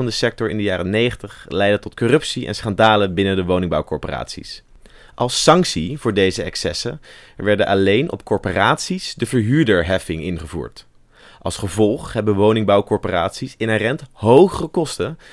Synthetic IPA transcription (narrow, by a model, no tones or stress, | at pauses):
ɑndəsɛk̚tɔɹɪ̰ndəjaːrənejχəntəχlɛjdətɔtkorɵpsiʔɛ̰nsχɑndaːlənbɪnəndəʋownɪŋbɑwkɔ̰ɹpora̰ːtsḭs | ʔɑlˠsːɑŋksivʊːɹdejzəɛ̰ksɛsə̰ | ʋɛɹdənʔɑlejnʔɔ̰pkɔɹporaːtsisdəvəɹɦyːɹdəɹɦɛfɪŋɪnχəvṵːɹt | ʔɑlˠsχəvɔlˠχɦɛbənʋownɪŋbɑwkɔɹporaːtsisɪnɛrɛntɦowχərəkɔstə